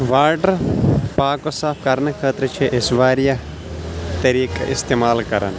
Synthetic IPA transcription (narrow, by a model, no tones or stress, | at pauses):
ʋaːɾɖəɾpaːkosaːfʰkɐɾnɐkʰaːt̪ɾət͡ʃʰeʔɪsʋaːɾja | t̪ɐɾiːkɐ̰ʔɪst̪eːmaːlkɐɾɐ̰n